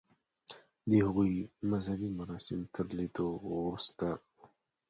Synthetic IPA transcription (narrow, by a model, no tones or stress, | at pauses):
d̪ehaɣujmazhabimaɾɑsɪmt̪ʰəɾlet̪oɾust̪a